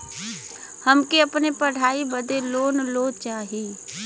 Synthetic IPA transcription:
həmkeəpnepəɽ̤ʱaːibəd̪eloːnloːt͡ʃaːɦiː

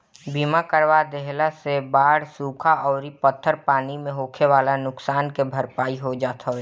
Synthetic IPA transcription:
biːmakəɾʋad̪eɦlasebaːɽsuːkʰaɔːɾipət̪ʰːəɾpaːnimẽɦoːkʰeʋaːlanʊksaːnkebʱəɾpaːiɦod͡ʒaːt̪ʰaɦoː

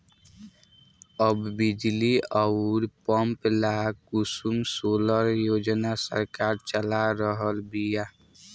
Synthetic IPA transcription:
əbːɪd͡ʒliəʊɾpəmplaːʊsumsoːləɾjoːd͡ʒnasə̰ɾkaːɾt͡ʃəlaɾəɦəlbʱija

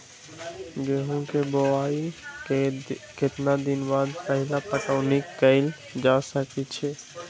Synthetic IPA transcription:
ɡeɦũkeboaːi | kɪt̪nad̪ɪnbaːd̪pɛɦlapəʈaːnɪkːəɪl | d͡ʒaːsəkit͡ʃʰeː

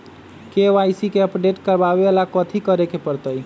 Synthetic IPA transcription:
keajsikeəpɖeʈkəɾbabelakət̪ʰikəɾekepəɾt̪əj

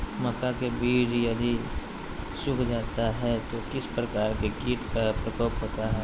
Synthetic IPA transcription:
mɐkakebiːɾjɐd̪ʱi | sʊkʰd͡ʒaːt̪aɦɛt̪okɪspɾɐkaːɾkekiːʈkəpɾɐkəːpɦoːt̪aɦɛ

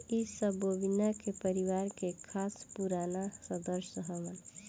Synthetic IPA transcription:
isəbobinakepəɾiwaɾkekʰaspuɾanasə̃d̪əɾʃəɦəʋən

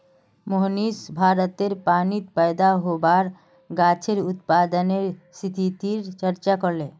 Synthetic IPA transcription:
moɦnisbʱaːɾət̪eɾpaːnit̪pɛjd̪aɦobaɾ | ɡaːt͡ʃʰeɾʊt̪paːd̪əneɾsit̪ʰit̪iɾt͡ʃəɾt͡ʃakɔɾlẽː

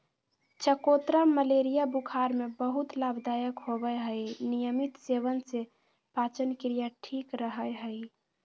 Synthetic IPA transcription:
t͡ʃʰəkot̪ɾaməleɾijabukʰaɾmebəɦut̪labd̪ajəkɦobəɦəjnijəmit̪seβənse | pat͡ʃənkɾijaʈʰikɾəɦəjɦəj

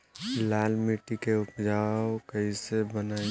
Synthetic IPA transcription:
laːlmiʈikeʊpd͡ʒaːwkəisebənaː

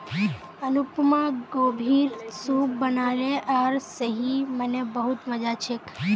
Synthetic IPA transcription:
ənupmãɡobʱiɾsubənaleʔaɾsəɦimənebəɦut̪məd͡ʒat͡ʃʰek

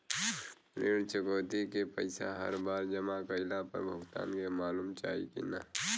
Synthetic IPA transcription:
ɾeːɽt͡ʃəkoːt̪ikepə̰ɪsa̰ɦɐ̰ɾbaːɾd͡ʒɐmakəɪlapə̰ɾbʱəɡt̪a̰ːnkemaːluːmt͡ʃa̰ːḭkḭna̰

